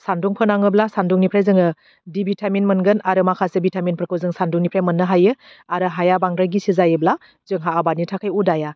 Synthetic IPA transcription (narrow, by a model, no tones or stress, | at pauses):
sanduŋpʰɯnaŋɯblasanduŋnipʰɾajzɯŋɯ | dibitʰaminmɯnɡɯnaɾɯmakʰasebitʰaminpʰɾəkʰɯwzɯŋsanduŋnipʰɾajmɯnːɯɦajɯ | aɾɯɦajabaŋɾaɡisizajɯbla | zɯŋɦaːbanitʰakʰajudaja